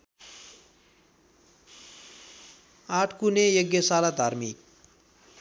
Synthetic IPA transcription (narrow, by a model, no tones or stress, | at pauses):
aːʈʰkunejʌɡjʌsalad̪ʱaɾmik̚